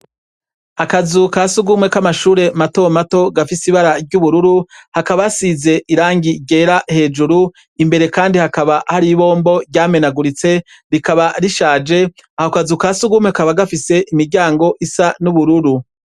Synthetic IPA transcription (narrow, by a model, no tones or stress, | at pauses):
akazukasuɡumŋe̞kamaʃuːɾe̞mato̞mato̞ɡafisiβaɾaɾɟuβuɾuɾuhakaβasize̞ʔiɾaːŋɡiɟe̞ːɾahe̞ːd͡ʒuɾu | imbe̞ɾe̞kaːndihakaβahaɾiβo̞ːmbo̞ɾɟaːme̞naɡuɾit͡se̞ | ɾikaβaɾiʃaːd͡ʒe̞aho̞kazukaːsuɡumweakaβaɡafise̞ʔimiɾɟaːŋɡo̞ʔisanuβuɾuɾu